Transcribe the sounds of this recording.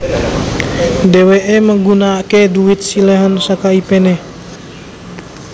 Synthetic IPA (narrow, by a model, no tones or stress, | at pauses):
deweʔeməŋɡunakeduit̪̚silɛɦɔnsakaipene